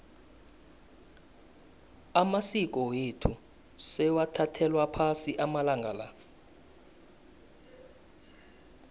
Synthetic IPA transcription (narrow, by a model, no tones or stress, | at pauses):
amasik̬ʼɔwetʰu | sɛwatʰatʰɛlwapʰasiʔamalaŋɡʱa̰la